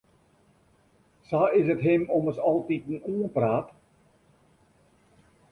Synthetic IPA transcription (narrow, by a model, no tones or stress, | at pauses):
saɪsətɦɪmɔməsɑlˠtitn̩uːənpraːt